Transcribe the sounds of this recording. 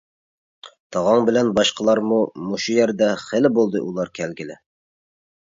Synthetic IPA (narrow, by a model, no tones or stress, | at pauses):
t̪ʰɑʁɑŋbɪ̆lænbɑʃqɑlˠɑɾmumuʃujæɾd̪æχɘ̆lɪbolˠd̪ɤ̰ʔulˠɑɾkʲʰælɡʲɪlɪ